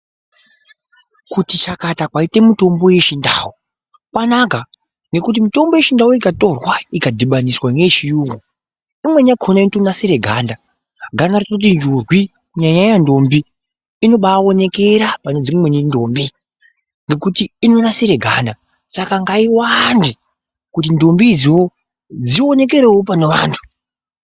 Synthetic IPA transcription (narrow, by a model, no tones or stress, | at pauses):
kutit͡ʃakatakwaite̞muto̞mbo̞je̞ʃindaːwu | kwanaɡa | ŋɡe̞kut̬imito̞mbo̞je̞ʃindauikato̞rwaikadʱiɓaniswanet͡ʃijuːŋɡo | imwe̞ɲakʰonaintonasiɾe̞ɡʱaːnda | ɡʱanartakut̬ind͡ʒurwi | kuɲaɲajando̞mbiː | no̞ɓaːo̞ne̞ke̞ɾapane̞d͡zimwe̞nindoːmbi | ŋɡe̞kutiːno̞nasiɾe̞ɡʱanda | sakaŋɡaiwandi | kut̬indo̞mbid͡ziwo̞ | d͡zio̞ne̞k̬e̞ɾewop̬aneʋaːntʰu̥